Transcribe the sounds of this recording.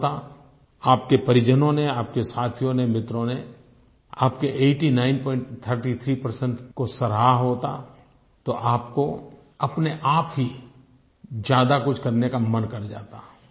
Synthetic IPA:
t̪a | aːpkepɐɾɪd͡ʒənõneaːpkesaːt̪ʰijõnemɪt̪ɾõne | a̰ːpkeʔeːʈinaːɪnpɔːɪ̃ɳʈt̪ʰəɾʈit̪ʰɾipəɾsə̃ɳʈkosɐɾaːɦoːt̪a̰ | t̪oʔaːpko | ɐpneʔaːpɦi | d͡ʒjaːd̪akʊt͡ʃʰkɐɾnekamɐnkɐɾd͡ʒa̰ːt̪a

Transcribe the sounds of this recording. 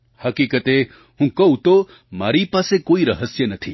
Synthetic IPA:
hɐkiːkət̪e | ɦũkɐut̪o | ma̰ːɾipaːsekoːiɾɐɦəsjənɐt̪ʰḭː

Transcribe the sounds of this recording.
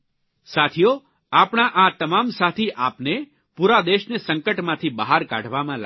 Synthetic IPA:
sat̪ʰijo | apɳ̃aʔat̪əmamsat̪ʰiʔapne | puɾad̪eʃnesəŋkəʈmãt̪ʰibaɦaɾka̰ɽʱʋamãl

